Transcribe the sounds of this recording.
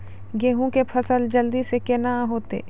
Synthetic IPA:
ɡeːɦũkepʰɐsəld͡ʒəld̪isekenaɦoːt̪ḛː

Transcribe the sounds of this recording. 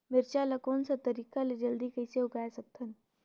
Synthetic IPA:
mɪɾt͡ʃalɐkoːnsat̪ɐɾiːkaled͡ʒɐld̪ikəiseʊkaːjsɐk̚t̪ʰən

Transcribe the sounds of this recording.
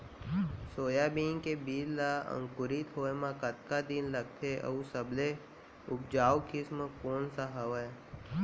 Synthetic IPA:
soːjabiːŋkebiːllaə̰̃ŋkʊɾit̪ɦoːemãkət̪kad̪ɪnləɡ̚t̪ʰeʔə̰usəble | ʊp̚d͡ʒaːwkɪsmkoːnsaɦəʋəe

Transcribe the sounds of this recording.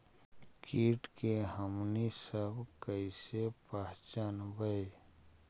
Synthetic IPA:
kʰiːʈkeɦəmnisəbkəisepaɦt͡ʃənbəi

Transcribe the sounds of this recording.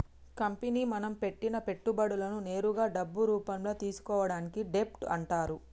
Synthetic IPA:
kɐmpeniːmɐnɐmpe̞ʈːinɐpe̞ʈːubɐɽulɐnune̞ːɾuɡaːɖɐbːuɾuːpɐmlo̞ːt̪iːsu̥kɔːʋɐɽaːnikiɖe̞p̚ʈɐ̰ɳʈaːɾu

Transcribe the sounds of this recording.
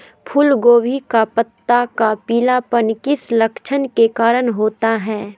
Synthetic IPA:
pʰʊlɡoːʋʱikapət̪ːakapiːlapənkɪslɐkʃʰənkekaːɾəɽ̃ɦoːt̪aɦɛː

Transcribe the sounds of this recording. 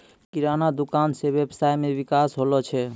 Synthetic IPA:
kiɾanad̪okansebebsaemebikasɦolot͡ɕʰe

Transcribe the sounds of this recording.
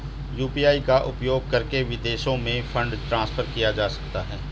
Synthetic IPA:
juːpiaːikaʔʊpjoːɡ̚kɐɾkeʋɪd̪eːʃõmẽfʰɐ̃ɳɖʈɾãːsfʰəɾkijad͡ʒaːsɐ̥kt̪aɦɛː

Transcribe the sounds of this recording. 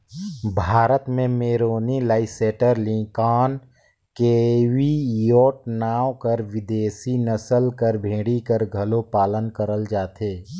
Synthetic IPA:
bʱaːɾət̪mẽmeːɾoːnilaːɪseːʈəɾlĩːkaːn | kewijoːʈnaːwkəɾʋɪd̪eːsinəsəlkəɾbʱẽːɽikəɾɡʱɐlopaːlənkəɾəld͡ʒaːt̪eː

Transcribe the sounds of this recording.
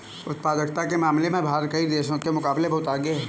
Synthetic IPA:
ʊt̪̚paːd̪əkt̪akemaːmlemẽbʱaːɾkəid̪eːʃõkemʊkaːblebɔɦːt̪aːɡeɦɛː

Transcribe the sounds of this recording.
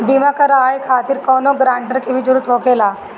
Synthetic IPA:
biːmakɐɾaːjkʰaːt̪ɪɾkɔːnoɡɾãːɳʈəɾkibʱid͡ʒʊɾut̪ʰoːkeːlaː

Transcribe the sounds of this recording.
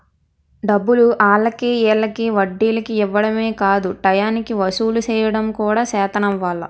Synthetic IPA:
ɖɐbːuluʔaːlːɐkiɛːlːɐkiʋɐɖːiːlɐkiiʋːɐɽɐme̞ːkaːd̪uʈɐjaːnikiʋɐsuːlut͡ʃɛːjɐɽɐmkuːɽaːsɛːt̪ɐnɐʋʋaːɭːɐ̰

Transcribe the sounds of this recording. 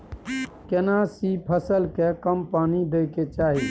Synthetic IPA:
kenãːsipʰəsəlkekəmpaːnid̪eːket͡ʃaːɦeː

